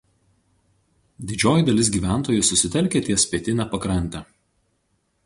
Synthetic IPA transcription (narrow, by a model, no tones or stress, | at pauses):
d̪ʲɪd͡ʒʲoːjɪd̪ɐlʲɪs̬ɡʲiːʋʲæˑnˑt̪oːjʊsʊsʲɪt̪ʲɛlʲkʲeːt̪ʲiɛsʲpʲiɛt̪ʲɪnʲɛpɐkɾɐnʲt̪ʲɛː